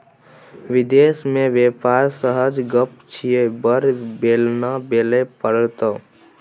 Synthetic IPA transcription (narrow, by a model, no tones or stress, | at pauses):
ʋɪd̪eːsmẽʋeːpaːɾsəɦəd͡ʒɡəpt͡ʃʰijebəɾbeːlnabeːlepəɽt̪ə